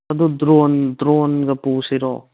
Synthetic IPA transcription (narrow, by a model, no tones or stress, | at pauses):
ɐd̪ud̪ɾond̪ɾonɡɐpuːsiɾo̰